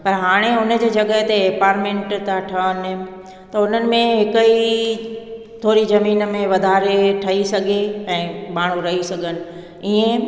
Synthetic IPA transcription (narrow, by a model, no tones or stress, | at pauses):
pɐɾɦaːɽ̃eʊnə̆d͡ʑeːd͡ʑɐɠəɦt̪epaːɾmẽɳʈt̪aʈʰɐənɪ | t̪ɐʊn̤ənɪ̆mẽɦɪkəi | t̪ʰoːɾizɐmiːnəmẽʋɐd̪ʱaːɾeʈʰɐɦisɐɡʱeɛ̃ːmaːɽ̤̃uɾɐɦisɐɡʱənɪ̆ | iːẽ